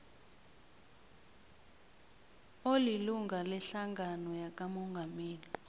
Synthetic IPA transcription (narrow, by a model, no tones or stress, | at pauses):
oliluŋɡʱalɛɬaŋɡʱanɔjak̬ʼamɔŋɡʱameːli